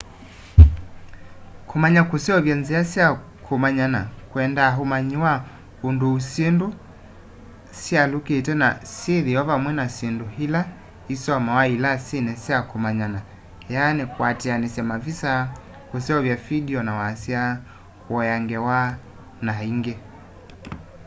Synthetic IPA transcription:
kʰumaɲakusɛɔvjanziasia | kʰumaɲanakwɛndaɦumaɲiwa | unduusendu | sialukitɛna̰siðiɔvamwɛnasinduhila | isɔmawailasinɛsiakumaɲana | janɛkwatɛanɛsɛmavisa | kusɛɔvjafidiɔnawasia | hwɔjaŋɡɛwa | naiŋɡɛ

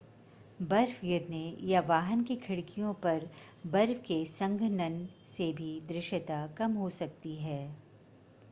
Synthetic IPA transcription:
bɐɾfɡɪɾnejaʋaːɦənkikʰɪɽkijõpɐɾ | bɐɾfkesɐ̃ŋɡʱnənsebʱid̪ɾɪʃət̪akɐmɦosɐk̚t̪iɦɛː

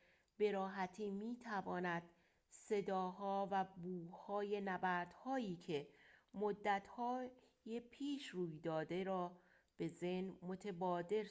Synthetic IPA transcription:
b̥e̞ɾɒːɦæt̪ʰiːmiːt̪ʰævɒːnæd̪̥ | se̞d̪ɒːɦɒːvæbuːhɒːje̞næbæɾd̪̥hɒːjiːkʰe̞mod̪ːæt̪ʰhɒː | jepʰiːʃruːjd̪ɒːd̪e̞ɾɒː | b̥e̞zenmot̪ʰebɒːd̪e̞ɾ

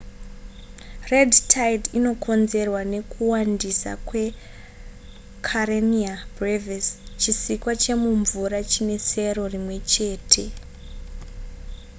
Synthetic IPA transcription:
re̞dtʰajdino̞kʰo̞nze̞rwane̞kʰuwandisa̰kwe̞ | kʰaɾemiabrevest͡ʃisikwat͡ʃe̞muɱvuɾat͡ʃine̞se̞ro̞rimwe̞t͡ʃe̞ːtʰe̞

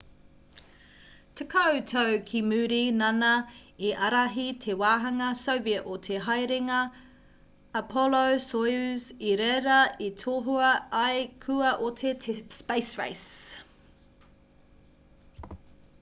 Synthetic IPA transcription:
tʰəkʰowtʰowkʰimʉːɾinɐnɐiʔɐɾɐɦitʰewaːɦɐŋɐsowviɐʔotʰeɦɐjɾeŋɐ | pʰɔlowsojʉziɾɛɾɐitʰoːɦuɐɐjkʰʉɐʔotʰetʰspejsɹḛjs

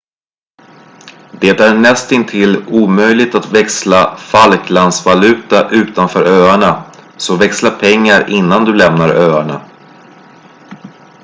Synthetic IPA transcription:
d̪̥eːt̪æɳɛst̪ɪnt̪ʰɪlːuːmœjlɪt̪at̪vɛkslafalkland̪svalʉ̟ːt̪aʔʉ̟ːt̪anfœːɾøːaɳasɔvɛkslapʰɛŋːaɾɪnːand̪ɵlɛmnaɾøːaɳa

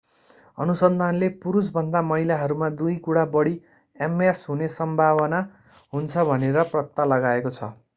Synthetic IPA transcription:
ʌ̰nusʌnd̪ʱanlepuɾus̬bʱʌnd̪amʌilaɦʌɾumad̪ujkuɽabʌɽi | emesɦunesʌmbʱaβʌna | ɦunt͡sʰʌbʱʌneɾʌprʌt̪ːalʌɡaekot͡sʰʌ̰

